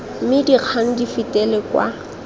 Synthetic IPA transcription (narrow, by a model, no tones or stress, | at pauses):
mɪdiq͡χʰan̩difitʼɛlɪkwa̰